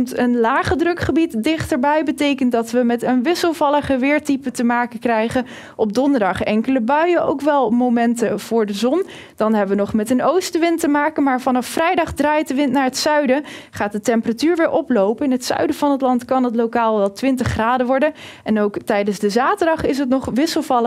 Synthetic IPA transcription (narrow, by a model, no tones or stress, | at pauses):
mtənlaːχədrɵkχəbitdɪχtəɹbɛjbətejkənt̚dɑtʋəmɛtənʋɪsəlˠvɑlˠəχəʋɪːɹtipətəmaːkəkrɛjχə | ʔɔpb̚dɔndəɹdɑχɛŋkələbœɥəʔo̰wkʋɛlˠmowmɛntəv̥ʊːɹdəzɔn | d̥ɑnɦɛbəʋənɔχmɛtənowstəʋɪntəmaːkəmaːɹvɑnɑfːrɛjdɑχdraːjt̚dəʋɪntnaːɹətsœɥdəχaːt̚dətɛmpəratyːɹʋɪːɹʔɔplowpəɪnɦətsœ̰ɥdəvɑnɦətlɑntkɑnɦətlowkaːlˠʋɛlˠtʋɪntəχːraːdəʋɔɹdəɛnowktɛjdənzdəzaːtəɹdɑχɪs̬ət̬nɔχʋɪsəlˠvɑlə